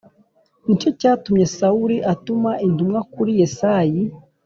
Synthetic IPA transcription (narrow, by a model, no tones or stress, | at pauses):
nico̞caːtumɲe̞sauɾiʔatumaʔintumŋakuɾijesaji